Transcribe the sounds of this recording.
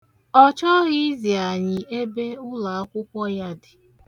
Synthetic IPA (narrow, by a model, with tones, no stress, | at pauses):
ɔ˦t͡ʃɔ˦ɣi˦zi˨a˨ɲɪ˨e˦be˦ʊ˦la˨a˦kʷʊ˦kʷɔ˦ja˦dɪ˨